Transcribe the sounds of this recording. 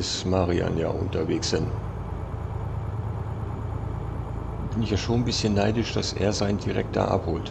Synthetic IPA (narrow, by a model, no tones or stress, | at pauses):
ɪsmaʁia̰nja̰ːʔʊ̰ntɐveːksɪn | b̥ɪnɪçjaːʃoːnbɪsçənːaɪdɪʃd̥asʔḛːɐzaɪndiʁɛ̰k̚tɐ̰ʔa̰phoːlt